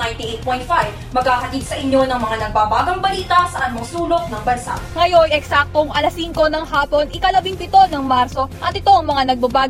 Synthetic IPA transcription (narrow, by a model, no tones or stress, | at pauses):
ajnt̪iʔejt̪̚pojnt̪̚fajb | mɐɡhaːɦɐt̪id̪sɐʔɪɲːo̞nɐŋmɐŋanɐɡ̚babaːɡɐŋbɐliːt̪ɐsɐʔɐn̚mosuːlok̚nɐŋbɐnsa̰ŋɐjojʔɛksak̚t̪oŋʔɐlɐsiŋko̞nɐŋɦaːpo̞nʔɪkɐlɐbiŋpɪt̪o̞nɐŋmaɾso̞ʔɐt̪ɪt̪o̞ʔɐŋmɐŋanɐɡ̚babaː